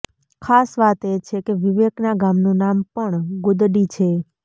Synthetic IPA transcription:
kʰasʋat̪et͡ʃʰekeʋiʋeknaɡamnũnampəɳɡʊd̪ɖit͡ʃʰe

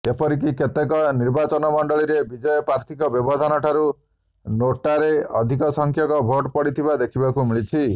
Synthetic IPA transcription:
epɔɾik̬iket̪ekɔniɾbat͡ʃɔnɔmɔɳɖɔɭiɾebid͡ʒɔjɔpɾaɾt̪ʰikɔbjɔbɔd̪ʱanɔʈʰaɾu | noʈaɾeɔ̰d̪ʱikɔsɔŋkʰjɔkɔbʱoʈpɔɽit̪ʰibad̪ekʰibakumiɭit͡ʃʰi

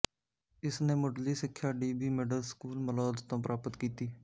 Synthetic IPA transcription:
ɪsneːmoɖliːsɪkʰːjaːɖiːbiːmɪɖəlskuːlməlɔːd̪t̪õːpəɾʔaːpət̪kiːt̪iː

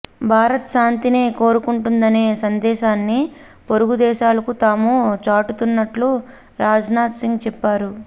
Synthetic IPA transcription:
bʱaːɾɐt̪ʃaːnt̪ineːko̞ːɾukuɳʈund̪ɐne̞ːsɐnd̪ɛːʃaːnːi | poɾuɡud̪ɛːʃaːlɐkut̪aːmut͡ʃaːʈut̪unːɐʈlu | ɾaːd͡ʒnaːt̪siŋɡt͡ʃɛpːaːɾu

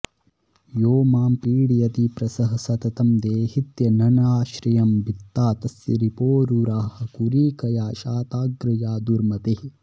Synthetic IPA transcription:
joːmaːmpiːɽijɐt̪ipɾɐsɐɦɐsɐt̪ɐt̪ɐmd̪eːhit̪jɐnɐnaːʃɾijɐmbit̪ːaːt̪ɐsjɐ̰ɾipoːɾuɾaːhɐ̆kuɾiːkɐjaːʃaːt̪aːɡɾɐjaːd̪uɾmɐt̪ehi

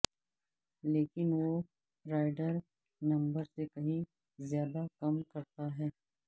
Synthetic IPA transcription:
leːkɪnʋo | ɾaːɪɖəɾ | nɐ̃mbəɾsekɐɦĩ | zjaːd̪akɐmkɐɾt̪aɦɛː

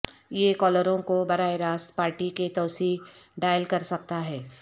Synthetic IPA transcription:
jekɔːləɾõkobɐɾaːeɾaːst̪paːɾʈiket̪ɐːsiːɖaːjəlkɐɾsɐk̚t̪aɦɛː

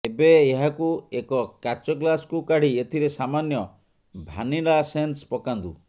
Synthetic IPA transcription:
ebeːɦakuekɔkat͡ʃɔɡlasɔ̥kukaɽ̤iet̪ʰiɾesamanjɔ | bʱa̰nilasenspɔkand̪ṵ

